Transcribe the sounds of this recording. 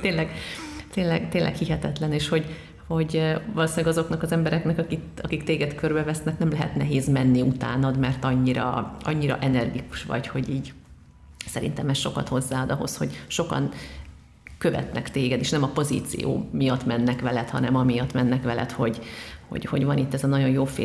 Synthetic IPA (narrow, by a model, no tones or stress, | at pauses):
t̪eːnlɛɡt̪eːnlɛ̰ɡt̪eːnlʔɛ̰khiɦɛt̪ɛt̪lɛneːʃho̞ɟ | ho̞ɟʋɒloːsɪlːɛɡɒzo̞knɒkɒzɛmbɛɾɛknɛkɒki | ɒkikt̪eːɡɛt̪kørbɛvɛsnɛknɛmlɛɦɛ̰t̪nɛɦeːzmɛnːiut̪a̰ːnɒd̪mɛrt̪ɒɲːiɾɒ̰ɒ̰ɲːiɾɒ̰ʔɛnɛrɡiku̥ʃʋɒ̰cho̞ɟiːɟ | sɛɾḭnt̪ɛmɛsʃo̞kɒ̰t̪ho̞zːaːɒd̪ɒɦo̞̰shoɟʃo̞kɒ̰n | kø̞vɛ̰t̪nɛkt̪eːɡɛd̪eːʃnɛmɒpo̞zḭːt̪sḭjo̰ːmijɒt̪mɛnːɛkʋɛlɛt̪hɒ̰nɛmɒmijɒt̪mɛnːɛkʋɛlɛ̰t̪ho̞ɟho̰ɟho̞̰ɟvɒnit̪ːɛzɒnɒɟo̞njoːfḛː